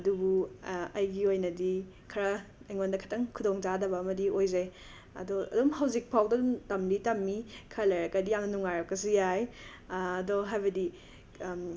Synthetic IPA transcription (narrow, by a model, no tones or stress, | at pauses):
ɐdubuɐjɡiojnɐdi | kʰɐɾɐɐjŋondɐkʰɐtɐŋkʰudoŋd͡ʒadɐbɐːmɐdiojzaj | ɐ̰doɐ̰dumhawzik̚pʰawdɐdumtɐmditɐmːikʰɐɾlɐɾɐkɐdijamnɐnuŋaɾɐkɐsijajː | doɦajbɐdi